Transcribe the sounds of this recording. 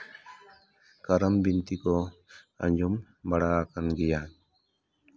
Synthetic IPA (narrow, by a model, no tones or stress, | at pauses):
kaɾəmbint̪ikɔ | a̰ɲd͡ʒum | baɽaːkanɡija